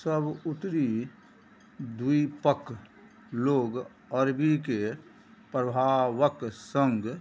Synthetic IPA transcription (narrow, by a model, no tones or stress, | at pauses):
səbʊt̪ɾi | d̪uipək | loːɡ | əɾbike | pɾəbʱaʋəksə̃ŋɡ